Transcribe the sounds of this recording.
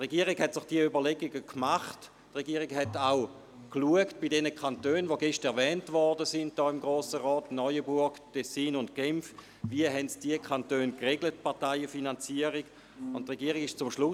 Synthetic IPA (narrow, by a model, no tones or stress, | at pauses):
tʁeɡiːəʁiɡhɛtsɪχd̥iəybɐleɡiɡəkʰmaχt | tʁeɡiːəʁiɡhɛtaʊ | kluəkt̚b̥idɛnəkʰantøːnvoɡɛʃtɛɐvɛːntvɔɐdəsɪnd̚d̥ɔːɪmɡʁoːsəʁɔːtnɔʏəbuɐɡtɛsiːnʊntɡ̥ɛmf | viəɦɛntd̥iəkʰχantøːnkʁeɡlət̚pɑʁtaɪəfinant͡siəʁiɡ̥ | ʊntʁeɡiːəʁiɡɪʃt͡sʊmʃlʊ